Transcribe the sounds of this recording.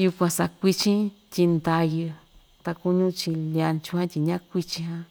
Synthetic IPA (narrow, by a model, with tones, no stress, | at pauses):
ju˧kʷã˧sa˧kʷi˧t͡ʃĩ˦t̪ʲi˧nd̪a˧jɨ˧ | t̪a˧ku˧ɲũ˦t͡ʃi˧lja˧nt͡ʃũ˧hã˦t̪ʲi˧ɲã˦kʷi˧t͡ʃĩ˧ɦã˧